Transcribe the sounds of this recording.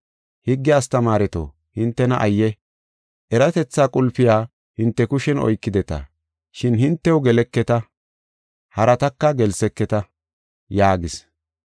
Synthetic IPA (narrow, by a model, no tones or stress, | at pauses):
hɪɡːɪjaːst̪ɐmaːɾɛt̪o̰ː | hɪnt̪ːɛnɐʔɐjːɛ | ʔɛɾɐt̪ɛt͡sːaːkʼʊlfɪjaː | hɪnt̪ːɛkʊʃɛnɔ̰jkːɪd̪ɛt̪ɐ̰ | ʃɪnhɪnt̪ːɛwʊɡɛlɛkːɛt̪ɐ | hɐɾɐt̪ɐkːɐɡɛlsɛkːɛt̪ɐ | jaːɡɪs